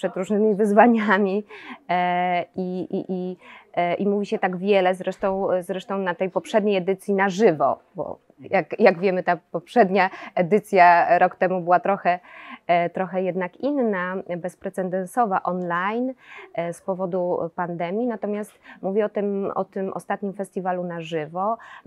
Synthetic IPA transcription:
pʂɛd̪ɾuʐnɘmʲivɘzvaɲamʲi | iiʔi | ʔimuvʲiɕɛt̪aɡvʲjɛlɛzɾɛʂt̪ɔ̃w̃zɾɛʂt̪ɔ̃w̃nat̪ɛjpɔpʂɛd̪ɲejɛd̪ɘt̪sʲjinaʐɘvɔ̰ | bɔ̰ | jakjaɡvʲjɛmɘt̪apɔpʂɛd̪ɲaɛd̪ɘt̪sʲjaɾɔkt̪ɛmubɘwat̪ɾɔxɛ | t̪ɾɔxɛjɛd̪nakinːabɛspɾɛt̪sɛnd̪ɛnsɔvaʔɔnlajnspɔvɔd̪upand̪ɛmʲjinat̪ɔmʲjast̪muvʲɛɔt̪ɘmɔ̰t̪ɘmʔɔ̰st̪at̪ɲimfɛst̪ʲivalunaʐɘvɔ

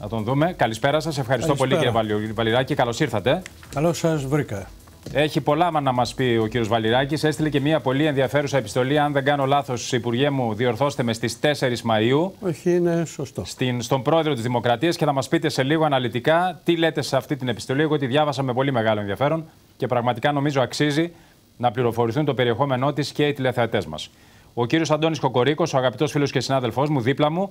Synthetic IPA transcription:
nɐt̪onðume̞kɐlispe̞ɾɐsɐse̞fxɐɾist̪opo̞liciɾjeɐvɐliɾɐcikɐlo̞siɾθɐt̪e̞ | kɐlosɐzvɾikɐ | e̞çipo̞lɐmɐnɐmɐspio̞ciɾio̞zvɐliɾɐcise̞st̪ile̞ce̞miɐpo̞lienðiɐfe̞ɾusɐepi̥st̪o̞liɐnðe̞ŋɡɐno̞lɐθo̞sipuɾʝemuðio̞ɾθo̞st̪emest̪ist̪e̞se̞ɾizmɐiuoçiinesost̪ost̪inst̪o̞mbɾo̞e̞ðɾot̪izðimokɾɐt̪iɐsce̞θɐmɐspit̪e̞se̞liɣo̞ɐnɐlit̪ikɐt̪ile̞t̪eseɐft̪it̪ine̞pi̥st̪o̞liekoot̪̬iðʝɐvɐsɐme̞po̞lime̞ɣɐlonðiɐfe̞ɾo̞n | ce̞pɾɐɣmɐt̪ikɐno̞mizo̞ɐksizi | nɐpliɾo̞fo̞ɾiθunt̪o̞pe̞ɾie̞xo̞me̞no̞t̪isce̞it̪ile̞θeɐt̪e̞zmɐ̰s | o̞ciɾio̞sɐnd̪o̞nisko̞ko̞ɾiko̞soɐɣɐpit̪o̞sfilo̞scesinɐðelfo̞zmuðiplɐmu

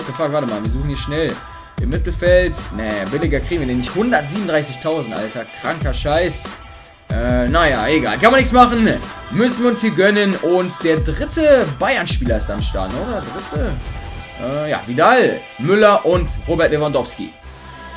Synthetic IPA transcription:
təfaːkvaɐtəmaːlviːɐzuːχn̩hiːʃnɛl | ʔɪmːɪtl̩fɛltnɛbɪlɪɡɐkʁ̥iːɡŋ̩viːɐɛnɪçthʊndɐtziːbmn̩dʁaɪsɪçtʰaʊzn̩tʔa̰ltɐkʁ̥aŋkɐʃaɪs | ʔɛːnajaːʔeɡa̰ːlkanmaɐnɪçksmaχn̩ | mʏsn̩viːɐʊnshiːɐɡœnənʊntd̥eːɐdʁɪtʰəbaɪɐnʃpiːlɐɪstamʃta̰ɐnʔoːdɐdedʁɪtʰə | ʔɛːja̰ːvidal | mʏlɐʔʊntʁoːbɛɐt̚v̥evandɔfskḭ

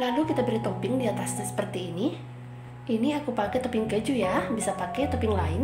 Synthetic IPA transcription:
lalukit̪abəɾit̪opɪŋdiat̪asɲasə̥pərt̪iːni | ʔiniakupakɛt̪opiŋkəd͡ʒujabisapakɛt̪opɪŋlaɪn

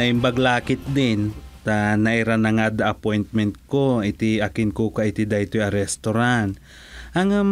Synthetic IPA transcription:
ɐɪmbɐɡlaːkɪt̪̚d̪ɪnt̪anɐʔɪɾanɐŋad̪ɐʔɐpojnt̪̚mɛnt̪̚koɪt̪ɪɐkɪnkokaʔɪt̪ɪd̪ajt̪ojɐɾɛst̪oɾant̪ | ʔɐŋam

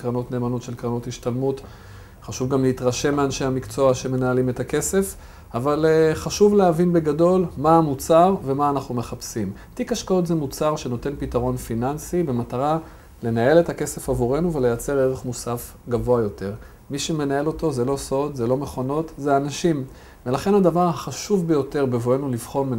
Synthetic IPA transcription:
kʁano̞tne̞ːmano̞t̪ʃe̞lkʁano̞thiʃtalmut | χaʃuvɡamleitʁaʃe̞mːeanʃehamikt͡so̞aʃeme̞naːlime̞take̞se̞f | avalχaʃuvleavinbe̞ɡado̞lmaːmut͡saʁve̞maːnaχnume̞χapsim | tikaʃkaotzemut͡saʁʃe̞no̞te̞npitaʁo̞nfinansibe̞mataʁa | le̞nae̞le̞take̞se̞favuʁe̞nuve̞lejat͡se̞ʁeʁe̞χmusaf | ɡavo̞ajo̞te̞ʁ | miʃeme̞nae̞lo̞to̞zelo̞so̞d̪zelo̞me̞χo̞no̞tzeanaʃim | velaχe̞nad̪avaʁhaχaʃuvbejo̞te̞ʁbevoenulivχo̞nme

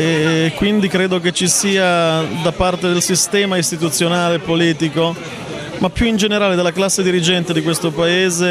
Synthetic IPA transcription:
kːwind̪ikɾeːd̪ok̬et͡ʃːisiːad̪apart̪ed̪elsist̪ɛːmaist̪it̪ut̪sːjonaːlepoliːt̪iko | mapːjuind͡ʒeneɾaːled̪elːaklasːed̪iɾid͡ʒɛnt̪ed̪ikwest̪opaeːze

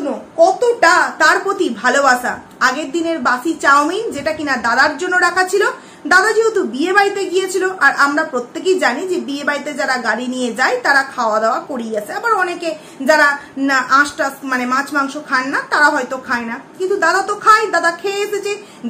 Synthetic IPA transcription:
mokɔt̪oʈat̪aɾpot̪ibʱalobaʃa̰ | aɡeɾd̪ineɾbasit͡ɕaomid͡ʑeʈakinad̪ad̪aɾd͡ʑonːoɾakʰat͡ɕʰilo | d̪ad̪ad͡ʑiɦut̪ubiebaɾit̪eɡijet͡ɕʰiloʔaɾamɾapɾot̪ːek̬ejd͡ʑanid͡ʑebiebaɾit̪ed͡ʑaɾaɡaɽinijed͡ʑajt̪aɾakʰaoad̪eoakoɾiɡat͡ɕʰeabaɾɔneke | d͡ʑaɾanaãʃʈasmanemãt͡ɕmaŋʃokʰanːat̪aɾaɦɔjt̪okʰaenakĩnt̪ud̪ad̪at̪okʰaed̪ad̪akʰeeʃet͡ɕe

